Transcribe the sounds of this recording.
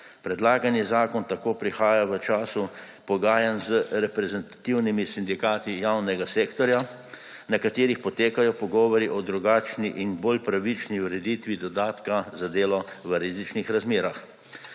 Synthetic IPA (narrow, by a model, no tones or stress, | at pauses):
pɾɛd̪laːɡanjizaːkɔnt̪akoːpɾixaːjaʋət͡ʃaːsu | pɔɡaːjanzəɾɛpɾɛzɛnt̪ḁt̪iwnimisind̪ikaːt̪ijawnɛɡaseːkt̪ɔɾja | nakat̪eːɾixpɔt̪eːkajɔpɔɡɔːʋɔɾiʔɔd̪ɾuɡaːt͡ʃniʔinboːlpɾaʋit͡ʃniuɾɛd̪it̪ʋid̪ɔd̪aːt̪kazad̪eːlɔʋəɾizit͡ʃnixɾazmeːɾax